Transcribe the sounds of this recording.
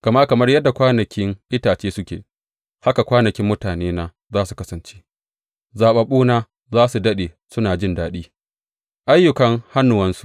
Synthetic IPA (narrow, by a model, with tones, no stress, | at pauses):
kɐ˨ma˦kɐ˨mɐ˦rjɐ˦dːa˨kʷaː˦nɐ˨kʲɪ˦ŋʔɪ˦taː˨t͡ʃeː˦sʊ˦kʲḛː˨ | ha˦ka˨kʷaː˦nɐ˨kʲɪ˦mːʊ˦taː˨neː˦naː˦ | zaː˦su˨kɐ˦sɐ˨nt͡ʃe̥ː˦ | zaː˨ɓɐ˨ɓuː˦naː˦ | zaː˦su˨dɐ˦ɗeː˨ | sʊ˦naː˨d͡ʒɪ˦ndaː˦ɗiː˦ | ʔa˦jːʊ˨kɐ˦ŋha˦nːʊ˨wɐ˦nsu˨ʔ